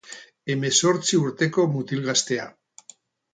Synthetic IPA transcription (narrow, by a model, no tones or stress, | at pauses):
e̞me̞so̞ɾt͡siuɾt̪e̞ko̞mut̪ilɣast̪e̞a̰